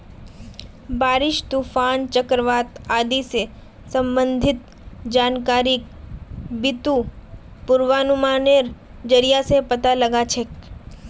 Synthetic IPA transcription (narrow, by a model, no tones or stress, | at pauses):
baɾɪʃt̪ufant͡ʃəkɾəʋat̪ad̪ise | səmbənd̪ʱɪt̪ | d͡ʒankaɾik | bit̪u | pʊɾʋanumaneɾ | d͡ʒəɾijasepət̪aləɡat͡ʃʰe